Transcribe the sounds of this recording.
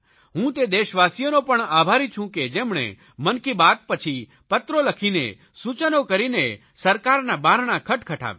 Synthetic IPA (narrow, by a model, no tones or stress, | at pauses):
ɦũt̪ed̪eʃʋasjonopəɳabʱaɾĩt͡ʃʰũked͡ʒemɳḛ | mənkibat̪̚pət͡ʃʰi | pət̪ɾoləkʰinḛ | sut͡ʃənokəɾine | səɾkaɾnabaɾɳakʰəʈkʰəʈʰa̰ʋ